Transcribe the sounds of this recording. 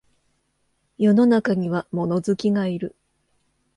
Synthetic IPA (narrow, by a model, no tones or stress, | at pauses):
jo̞no̞nakaɲ̟iβamo̞no̞zɨkʲiɡaiɾɯ̟